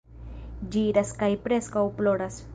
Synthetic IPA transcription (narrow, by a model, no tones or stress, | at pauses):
d͡ʒiɾaskajpɾeskawploɾas